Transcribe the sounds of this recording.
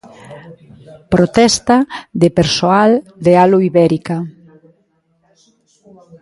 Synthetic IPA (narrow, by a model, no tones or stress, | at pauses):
pɾot̪ɛst̪ad̪epeɾsoald̪ealuiβɛɾika